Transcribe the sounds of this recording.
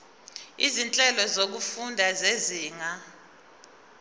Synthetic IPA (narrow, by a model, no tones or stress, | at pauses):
izint͡ɬʼɛlɔzok̬ufundʱazeziːŋa